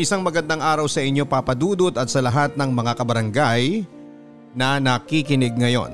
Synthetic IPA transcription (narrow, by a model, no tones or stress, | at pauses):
ʔɪsaŋmɐɡɐnd̪aŋʔaːɾɐwsɐʔɪɲːo̞papɐd̪uːd̪ot̪ɐt̪̚sɐlɐɦat̪̚nɐŋmɐŋakɐbɐɾɐŋɡaj | nɐnɐkikɪnɛɡ̚ŋɐjo̞̰n